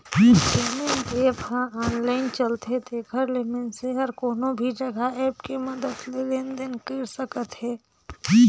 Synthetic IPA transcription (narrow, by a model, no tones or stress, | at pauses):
lemend̪eːbɦãaːnlaːɪnt͡ʃəlt̪ed̪eːkʰəɾlɪmenseɦɐɾkoːnõbʱid͡ʒɐɡʱaɛːpkemɐd̪əd̪leleːnd̪ɪnkɪːɾsəkət̪ɦɛː